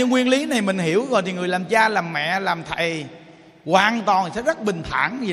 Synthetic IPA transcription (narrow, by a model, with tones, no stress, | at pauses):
ɨ˧ŋwi˧ənli˨˦na˨˩jmï˨˩ŋ̟hi˧˩əwɣɔ̰˧˨t̪i˨˩ŋɨ˨˩əjlaː˨˩mt͡ɕaː˧laː˨˩mːɛ̰˧˨laː˨˩mt̪ʰa˨˩j | ɣwaː˨˩nt̪wɔ˨˩nsɛ̰˧˥zə˦˥t̚ɓï˨˩ŋ̟t̪ʰa̰ː˧˩n˨